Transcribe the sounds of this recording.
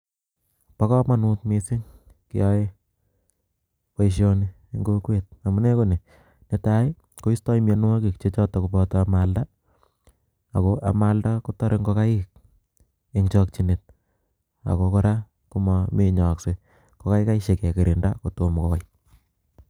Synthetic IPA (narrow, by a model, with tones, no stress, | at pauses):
pa˦kɔ˦ma˦nutmi˦si˦ŋ | kɪ̰˦jɔe | wa˦iʃ̬jo˦ni | ŋɡokwe˨t̚a˨mu˨ne˦ko˦ne˨ | ne˨taɪ | ko˦i˦stɔ˦i˦man˦wa˦ki˨kt͡ʃe˦t͡ʃɔ˦tɔ˨kupɔtɔamalda | a˨koʔa̰˨ma˦lda˦ko˦tɔ˦ɾe˦ŋɡo˦ka˦i˦k̚ | eŋt͡ʃɔk̚t͡ʃine˨t̚ | a̰˨koko˦ɾa˦ | kumɔmeɲɔ˨kse | ko˦ka˦ɪka˦iʃe˨kɛ˨ke˨ɾinda̰˦kotomko˨